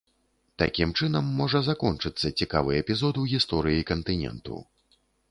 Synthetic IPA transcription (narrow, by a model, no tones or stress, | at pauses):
t̪a̰kʲimt͡ʂɨnɐmːɔʐɐzakɔnt͡ʂɨt̪sːɐt͡sʲikavɨjɛpʲizɔd̪uɣʲist̪ɔɾɨjikɐnt̪ɨnʲɛ̰nt̪ṵ